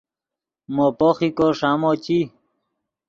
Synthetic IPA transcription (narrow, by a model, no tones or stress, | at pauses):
mopoxikoʂamot͡ɕi